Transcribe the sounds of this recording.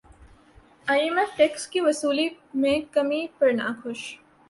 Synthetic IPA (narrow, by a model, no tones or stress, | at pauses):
aːjemefʈeːkskiʋɐsuːli | mẽkɐmipɐɾnã̰ːkʰʊʃ